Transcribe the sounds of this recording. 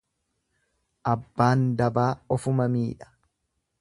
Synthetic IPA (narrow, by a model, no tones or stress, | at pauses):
ʔɐbːaːnd̪ɐbaːɔfʊmɐmiːᶑɐ̥